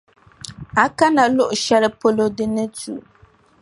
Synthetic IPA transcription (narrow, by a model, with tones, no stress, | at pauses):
a˨ka˦na˨lʊ˦ʔʊ˨ʃɛ˦lɨ˦po˦lo˦dɨ˦nɨ˦tṵ˨